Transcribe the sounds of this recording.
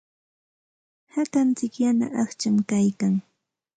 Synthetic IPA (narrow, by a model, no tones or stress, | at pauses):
hat̪ant͡sɪkjana̰ʔaχt͡ʃamkajkaŋ